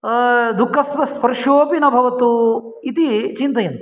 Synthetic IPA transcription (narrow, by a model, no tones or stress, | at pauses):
d̪ukʰːɐspɐspɐɾʃoːpinɐbʱɐʋɐt̪u | it̪it͡ʃint̪ɐjɐnt̪